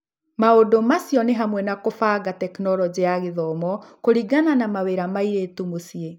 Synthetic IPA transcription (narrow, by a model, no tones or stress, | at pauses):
maodomasjɔneɦamwɛnakofaːɡatɛknɔɾɔd͡ʑiaɣeðɔmɔkoɾiɡananamaweɾamaiɾetumosie